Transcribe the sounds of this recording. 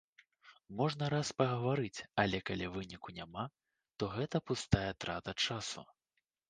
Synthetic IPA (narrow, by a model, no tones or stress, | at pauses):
mɔʐn̪ɐɾaspɐɣɐvaɾɨt͡sʲɐlʲɛkalʲivɨnʲikunʲama | t̪ɔɣɛt̪ɐpust̪ajɛt̪ɾat̪ɐt͡ʂasṵ